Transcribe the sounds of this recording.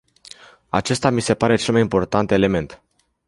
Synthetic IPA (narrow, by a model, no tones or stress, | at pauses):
a̰t͡ʃe̞st̪amise̞paɾe̞t͡ʃe̞lmajimpo̞rt̪ant̪e̞le̞me̞nt̪